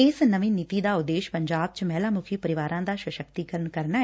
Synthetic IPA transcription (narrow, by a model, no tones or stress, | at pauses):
ɪsnəʋĩːniːt̪iːd̪aːʊd̪eːʃpəɲd͡ʒaːb̚t͡ʃmɛːlaːmʊkʰiːpəɾɪʋaːɾãːd̪aːʃwəʃəkt̪iːkələnkəɾnaː